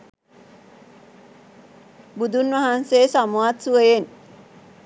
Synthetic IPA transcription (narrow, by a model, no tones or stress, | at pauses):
bud̪unʋaɦanseːsamuat̪suʋejen